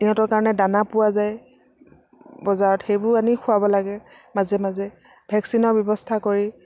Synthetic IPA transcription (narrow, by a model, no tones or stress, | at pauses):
iɔ̃tɔɹkaɹɔnɛdanapʊwazaj | bɔzaɹɔtxejbʊanixʰʊabɔlaɡɛ | mazɛmazɛ | bʱɛksinɔɹbjɔbɔstʰakoɹi